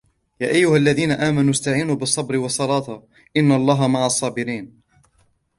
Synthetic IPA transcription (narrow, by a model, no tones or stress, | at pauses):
jaːʔajːʊhalːaðiːnaʔaːmanust̪aʕiːnuːbɨsˤːɑbɾɪwɑsˤːɑlɑːt̪ˤ | ʔɪnːaɑlˤːɑːɦamaʕasˤːɑːbɪɾiːn